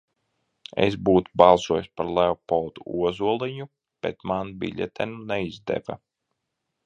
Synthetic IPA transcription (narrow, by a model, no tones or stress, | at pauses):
ḛs̬buːt̪ubɑlˠsuɔjsʲpaɾlˠɛwpɔld̪uuɔzuɔlˠiɲu | b̥ɛt̪manbḭʎʲɛ̰t̪ʰɛnunɛizd̪ɛ̰va̰